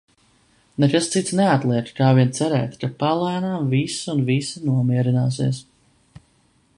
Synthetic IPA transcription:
nekast̪sit̪snɛat̪lˠiɛkkaːviɛnt̪sɛɾɛ̰ːt̪kapalˠaːnaːmvisunvisinuɔmiɛɾinaːs̬ḭɛs

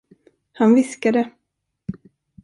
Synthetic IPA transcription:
hanvɪskad̪ə

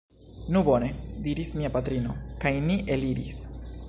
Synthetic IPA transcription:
nubo̞ne̞diɾismiapat̪ɾino̞̰kajniʔe̞liɾḭs

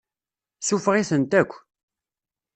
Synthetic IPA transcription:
sufʁiθənt̪ækʷː

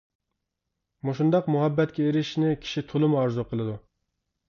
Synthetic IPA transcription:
muʃund̪ɑqmuɦɛbːɛt̪kʲɛeɾɪʃnɪkʲʰi̥ʃit̪ʰolˠɨmɑɾzuqʰəlˠɨd̪u

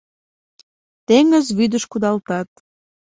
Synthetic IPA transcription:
t̪eŋəzβyd̪əʃkud̪ɑlt̪ɑt̪̚

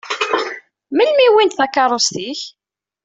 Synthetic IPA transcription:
məlmiwint̪θækːɑɾˤost̪iç

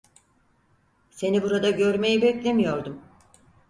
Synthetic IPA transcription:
se̞nibuɾad̪aɟø̞ɾme̞jibɛclʲe̞mijo̞ɾd̪um

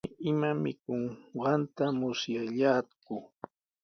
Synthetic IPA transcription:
ɪɪmamɪkoŋɢɑnt̪amʊsjaʎaːkʊ

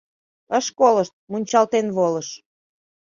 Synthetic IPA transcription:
əʃkoləʃt̪̚munʲt͡ɕɑlt̪enβoləʃ

